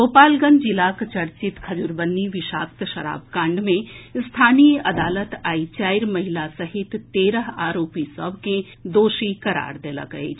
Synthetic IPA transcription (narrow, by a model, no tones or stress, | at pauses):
ɡoːpaːlɡə̃nd͡ʒilakt͡ʃɐɾt͡ʃit̪kʰɐd͡ʒuɾbənːiʋɪʃa̰ːkt̪ʃɐɾa̰ːbkãːɳɖmẽst̪ʰaːnijɐd̪aːlət̪aːit͡ʃaːjɾmɐɦilasɐɦɪt̪ːeːɾəɦaːɾoːpisəbke | d̪oːʃikɐɾa̰ːɾd̪eːla̰ɡə̰ḛt͡ʃʰ